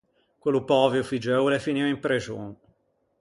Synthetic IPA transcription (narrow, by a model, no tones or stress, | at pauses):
kwelːupɔːveofid͡ʒɛwlefiniːvaimpɾed͡ʒo̰n